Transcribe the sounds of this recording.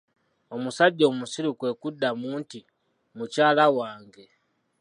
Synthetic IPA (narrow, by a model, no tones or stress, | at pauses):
omusaɟɔmusiɾukwɛkudamunti | mut͡ʃaːlawaːŋɡɛ